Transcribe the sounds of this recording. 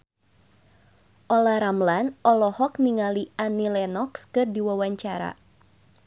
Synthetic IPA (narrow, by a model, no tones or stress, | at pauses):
ʔɔlaɾamlanʔɔlɔhɔkniŋalianilɛnɔkskɨrdiwawaɲt͡ʃaɾa̰